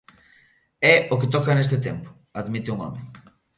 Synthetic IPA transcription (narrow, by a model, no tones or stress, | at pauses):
ɛoket̪ɔkanest̪ɪt̪empʊ̥ | aðmit̪ɪuŋɔ̰mḛ